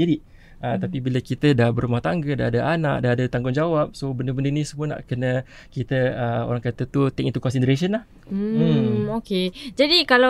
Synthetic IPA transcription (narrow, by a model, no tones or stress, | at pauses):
iɾiʔ | ʔət̪apibiləkit̪ədahbəɾumaht̪aŋɡədaadəanaʔ̚daadət̪aŋɡʊŋd͡ʒawap̚sobəndəbəndənisəmuəna̰ʔkənə | kit̪əəo̰ɾaŋkat̪ət̪ut̪ɛŋint̪ukɔnsint̪ɾes̬ənlah | m̩oked͡ʒadikala